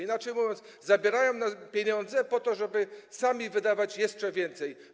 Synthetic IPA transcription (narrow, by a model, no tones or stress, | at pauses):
inat͡ʂɛjmuvʲjɔnt̪szabʲɛɾajɔ̃w̃napʲjeɲɔ̃nd̪zɛpɔt̪ɔʐɛbɘsamʲivɘd̪avat͡ɕjɛʂt͡ʂɛvʲjɛnt̪sɛj